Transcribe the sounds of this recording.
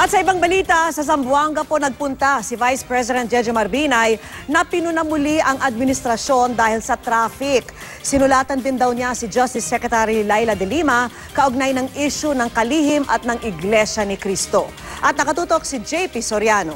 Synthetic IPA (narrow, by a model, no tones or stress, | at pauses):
ʔɐt̪sɐɪbaŋbɐlit̪ɐsɐs̬ɐmbʊaŋɡɐponɐɡ̚pʊnt̪asɪvajspɹɛs̬ɪd̪ɛnt̪̚d͡ʒɛd͡ʒɛmɐɾbinajnɐpɪnʊnɐmʊliʔɐŋʔɐd̪̚mɪnɪst̪ɾɐʃo̞nd̪aːhɪlsɐt̪ɾaːfɪk | sɪnʊlaːt̪ɐnd̪ɪnd̪ɐwɲasɪd͡ʒɐst̪ɪsːɛkɾɛt̪aɾilajlɐd̪ɛlimɐ | kɐʔoɡ̚najnɐŋʔiʃʊnɐŋkɐliːhɪmʔɐt̪̚nɐŋɪɡlɛʃɐnɪkɾist̪o̞ | ʔɐt̪̚nɐkɐt̪uːt̪o̞k̚sɪd͡ʒɛjpisoɾjano